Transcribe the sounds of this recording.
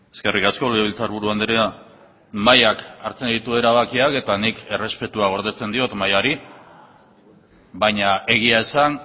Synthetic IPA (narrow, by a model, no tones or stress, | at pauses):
e̞ske̞rikasko̞leeβilt͡saɾβuɾuand̪eɾea | majakaɾt͡se̞nd̪it̪ue̞ɾaβakiake̞t̪anike̞re̞spe̞t̪uaɣ̞o̞ɾð̞e̞t͡se̞nd̪io̞t̪majaɾi | baɲae̞ɣ̞iae̞san